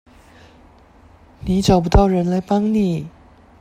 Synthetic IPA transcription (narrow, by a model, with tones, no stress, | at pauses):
ni˧˥ʈ͡ʂɑ˨˩ʊp̬u˧˥t̪ɑ˥˩ʊɻə˧˥nla˧˥ɪpɑ˥ŋni˨˩˦